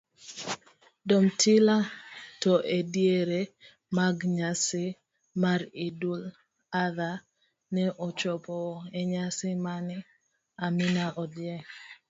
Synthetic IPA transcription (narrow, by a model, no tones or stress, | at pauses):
dɔmtʰɪlatɔʔedjeɾe | maɡɲasɪ | maɾidul | aða | nɛʔɔt͡ʃɔpɔɛɲasɪmanɪ | amɪnaʔɔdjɛ